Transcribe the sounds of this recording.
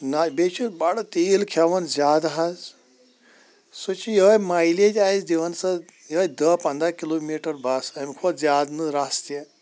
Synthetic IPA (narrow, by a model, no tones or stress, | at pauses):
nabet͡ʃʰubaɽɐt̪eːlkʰɐʋɐnzʲjaːd̪ɦaz | sut͡ʃʰijəːjmaːiled͡ʒʲaːizd̪iʋɐnsɐjəːjd̪ɐpɐ̃nd̪ɾakiloːmiʈɐɾbʱasɐmkʰot̪zjaːd̪nɨɾast̪je